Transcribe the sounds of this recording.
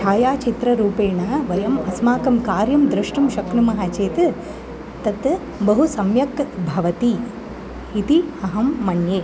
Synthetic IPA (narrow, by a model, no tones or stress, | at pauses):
ʃʰaːjaːt͡ʃit̪ɾɐɾuːpeːɳɐʋɐjɐmɐsmaːkɐmkaːɾjɐmd̪ɾɨʂʈɐmʃɐkɳumɐɦɐt͡ʃeːt̪ɨ | t̪ɐt̪ | bɐɦusɐmjɐkbʱɐʋɐt̪i | it̪iɐɦɐmːɐɳjeː